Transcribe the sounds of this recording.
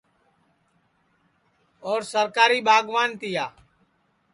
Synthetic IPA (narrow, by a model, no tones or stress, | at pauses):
oːɾsəɾkaːɾiːɓaːɡʋaːnt̪ɪjaː